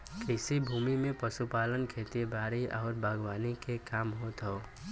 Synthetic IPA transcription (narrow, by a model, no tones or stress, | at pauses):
kɪsibʱuːmimẽpəsupaːlənkʰeːt̪ibaːɾiʔɔːɾbʱaːɡwaːnikekaːmɦoːt̪ɦoː